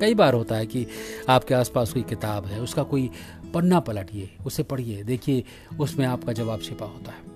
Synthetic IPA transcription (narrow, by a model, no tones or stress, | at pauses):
kɐibaːɾɦoːt̪aɦɛkiaːp̚keaːspaːskoːikɪt̪aːbɦɛʊskakoːi | pɐnːapɐləʈieːʊsepɐɽ̤ieːd̪eːkʰie | ʊsmẽaːpkad͡ʒɐʋaːbʃʰɪpaɦoːt̪aɦɛː